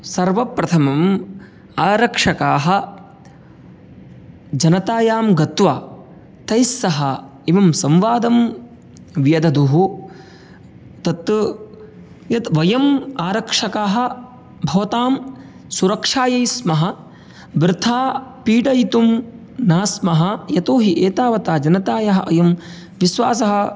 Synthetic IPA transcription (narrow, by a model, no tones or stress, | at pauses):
sɐɾʋɐpɾɐt̪ʰɐmɐm | aːɾɐkʂɐkaːɦɐ̆ | d͡ʒɐnɐt̪aːjaːmɡɐt̪ʋaː | t̪ɐjsːɐɦɐiʋɐmsɐmʋaːd̪ɐm | ʋjɐd̪ɐd̪uɦu | t̪ɐt̪ | jɐt̪ʋɐjɐmaːɾɐkʂɐkaːɦɐ̆ | bʱɐʋɐt̪aːm | suɾɐkʂaːjɐjsmɐɦɐ | bɾɪt̪ʰaːpiːɖɐjit̪um | naːsmɐɦɐjɐt̪oːɦiʔeːt̪aːʋɐt̪aːd͡ʒɐnɐt̪aːjɐɦɐ̰ʔɐjɐm | ʋisʋaːs̬ɐɦɐ̆